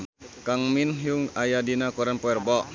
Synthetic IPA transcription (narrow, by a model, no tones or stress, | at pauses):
kaŋminɦjuŋajadinakuɾanpɔɛrbɔʔ